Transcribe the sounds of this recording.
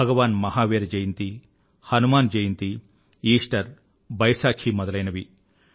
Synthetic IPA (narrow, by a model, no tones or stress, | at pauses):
ɐɡɐʋaːnmɐɦaːʋeːɾɐd͡ʒɐjint̪i | hɐnumaːnd͡ʒɐjint̪i | iːʂʈɐɾ | bɐjsaːkʰimɔd̪ɐlɐjnɐʋi